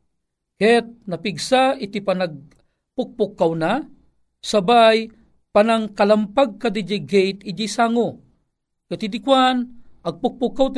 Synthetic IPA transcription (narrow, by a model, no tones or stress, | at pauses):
hɛt̪̚napiɡsaɪt̪ipanaɡ̚ | pʊk̚pʊkːawna | sabaj | panaŋkalampaɡ̚kad̪id͡ʒiɡejt̪ɪd͡ʒisaŋo | kat̪id̪ɪkwanɐɡ̚pʊk̚pʊkːawt̪